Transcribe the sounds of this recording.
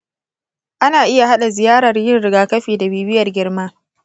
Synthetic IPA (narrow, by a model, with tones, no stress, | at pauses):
ʔa˦naː˨ʔɪ˦ja˨ɦa˦ɗa˨zɪ˨jaː˦ɾɐ˨rjɪ˦nɽɪ˨ɡaː˨kɐ˦ɸiː˨da˨biː˦bɪ˦jɐ˨rɡʲɪ˦rmaː˦